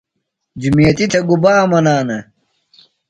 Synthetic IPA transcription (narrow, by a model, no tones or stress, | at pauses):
d͡ʑumijɐt̪it̪ʰɐɡubaːmɐnaːnɐ